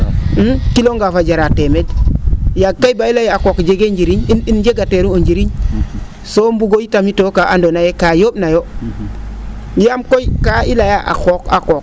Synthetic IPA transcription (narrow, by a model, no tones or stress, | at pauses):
m̩kiloŋɡafad͡ʒaɾatemedjakːajbailajakokd͡ʒeɡeːɲd͡ʒiɾiɲinind͡ʒeɡateɾuoɲɟiɾiɲ | sombuɡojitamitokaʔandonajekajoːbnajo | jamkojkaʔilajaʔa̰koka̰koːk̚